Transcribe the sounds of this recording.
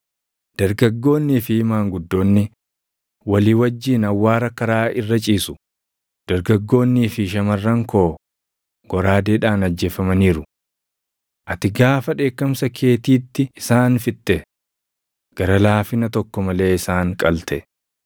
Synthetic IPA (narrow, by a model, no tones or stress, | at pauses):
d̪̥ɐɾɡɐɡːo̞ːnːiːfɪhɪmaːŋɡʊd̪ːo̞ːnːɪ | wɐliːwɐd͡ʒːiːnɐwːaːɾɐkɐɾaːɪrːɐt͡ʃʼiːsʊ̥ | d̪̥ɐɾɡɐɡːo̞ːnːiːfɪʃ̬ɐmɐrːɐŋko̞ː | ɡ̥ɔɾaːd̪eːᶑaːnɐd͡ʒːe̞ːfɐmɐniːɾʊ | ʔɐt̪ɪɡaːfɐᶑe̞ːkːɐmsɐkʰe̞ːt̪iːt̪ːɪɪsaːnfɪt̪ʼːɛ | ɡ̥ɐɾɐlaːfɪnɐt̪ɔkːɔmɐle̞ːɪsaːŋkʼɐlt̪ʰɛ